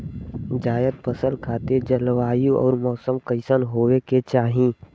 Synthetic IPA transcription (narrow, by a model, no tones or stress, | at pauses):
d͡ʒaːjəd̪̚pəsəlkʰaːt̪ed͡ʒəlʋaːjuʔɔ̰ːɾmɔːsəmkəɪsənɦoːweket͡ʃaːɦĩ